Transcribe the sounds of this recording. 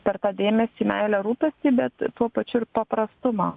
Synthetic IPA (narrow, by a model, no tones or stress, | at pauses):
pʲɛɾt̪ɑːd̪ʲeːmʲɛst̪ʲiːmʲæɪlʲɛɾuːpʲɛsʲt̪ʲiːbʲɛt̪t̪uɔpɐt͡ʃʲʊɪɾpɐpɾɐst̪ʊmɑ